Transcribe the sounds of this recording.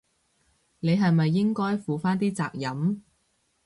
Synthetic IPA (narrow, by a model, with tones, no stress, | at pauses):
ne˨˧jɦɐ˨jmɐ˨jːɪ˥ŋkɔː˥jfuː˨faː˥nt̪iː˥t͡saː˨k̚jɐ˨˥m